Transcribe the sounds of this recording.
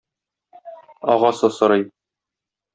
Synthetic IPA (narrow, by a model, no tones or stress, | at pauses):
ɒ̰ʁɑsɤsɤ̆ɾɤj